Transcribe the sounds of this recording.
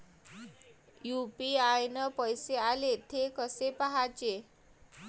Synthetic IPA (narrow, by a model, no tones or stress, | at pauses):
jupiajnəpəjsealet̪ʰekəsepaɦat͡ɕe